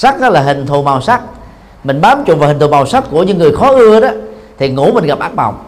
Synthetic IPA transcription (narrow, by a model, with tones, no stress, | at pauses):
sa˦˥k̚ɗɔ˨˦laː˨˩ɦï˨˩ŋ̟t̪ʰu˨˩ma˨˩wsa˦˥k̚ | mï˨˩ŋ̟ɓaː˨˦mt͡ɕʊ̰˨˧˨vhi˨˩ŋ̟t̪ʰu˨˩ma˨˩wsa˦˥t̚ku˧˩əɲɨ̰˧˦ŋːɨ˨˩əjxɔ˨˦ʔɨ˧əɗɔ˨˦ | t̪ʰi˨˩ŋṵ˧˥mï˨˩ŋ̟ɣa˨˩p̚ʔaː˦˥ɓa̰˨˩wŋ͡m